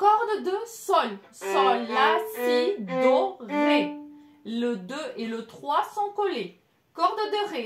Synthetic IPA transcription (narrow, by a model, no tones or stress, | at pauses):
kɔʁd̪d̪əsɔl | sɔ̃lːasid̪ɔʁɛ | ləd̪øelət̪χwasɔ̃kɔle | kɔʁd̪d̪əʁe